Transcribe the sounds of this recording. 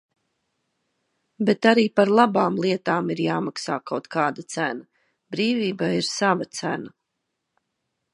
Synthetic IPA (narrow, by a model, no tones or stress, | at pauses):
bet̪aɾiːpaɾlˠabaːmlˠiɛt̪aːmiɾjaːmaksaːkawt̪kaːd̪ɐt̪sæna | bɾiːviːbaiɾsavat̪sæna